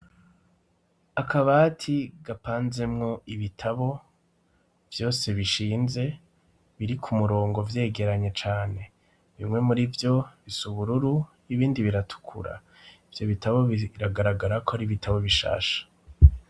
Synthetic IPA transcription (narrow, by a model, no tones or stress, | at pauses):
akʰaβatʰiɡapaːnze̞mŋo̞iβitʰaβo̞ | v̥jo̞ːse̞βiʃiːnze̞ | βiɾikʰumuɾo̞ːŋɡo̞vje̞ːɡe̞ɾaɲet͡ʃaːne̞ | βimŋwe̞muɾivjo̞βisuβuɾuɾu | iβiːndiβiɾatʰu̥kʰṵɾa̰ | ivjo̞βitaβo̞βiɾaɡaɾaɡaɾakoaɾiβitʰaβo̞βiʃa̰ːʃḁ